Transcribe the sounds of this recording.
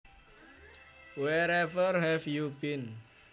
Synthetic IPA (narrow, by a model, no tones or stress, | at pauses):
wɛɾɛvərhɛfjubin